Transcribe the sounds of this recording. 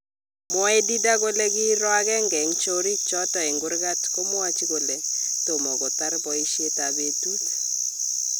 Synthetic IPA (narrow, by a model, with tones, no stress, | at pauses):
mwɔ˦ɛ˦di˦da˦ko˦le˦ɡɪ˦ɾwa˦ɡɛ˦ŋɡɛ˨ŋt͡ʃo˦ɾi˦t͡ʃɔ˦tɔ˨ɛ˨ŋɡʊ˦ɾɡa˦tko˦mwa˦t͡ʃi˦ko˨le˨to˨mɔ˨kɔ˨t̪a˦rbɔ˨i˦ʃje˦ta˨be˦tu˦t